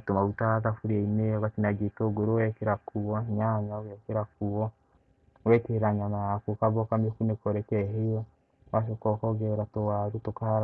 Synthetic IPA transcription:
tomaβutaðafuɾɛinejɔβatinaɡetoːɡoɾowɛkeɾakuwɔɲaɲawɛkeɾakuwɔ | wɛteeɾaɲamajakukaβɔkamokunekoɾekɛɦejɔ | waʃ̬okɔkɔɡeɾatowaɾutoka

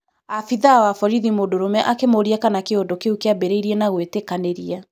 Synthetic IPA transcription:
afiðawafɔɾiðimoːdoɾomɛʔakemoɾiakanakeondokeukeabeɾeiɾiɛnaɣwetekaneɾia

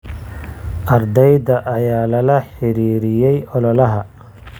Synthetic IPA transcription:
ʔɐɾd̪ɛjd̪ɐʔːjaːlɐlɐħɪɾiːɾɪjɛjʔɔlɔlɐɦɐ

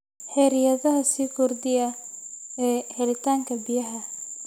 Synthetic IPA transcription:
ħɛːɾɪjɐðɐɦɐsiːkʰʊrd̪ɪjɐ | ɛːhɛlɪt̪ʰaːŋkʰɐbɪjɐɦɐ

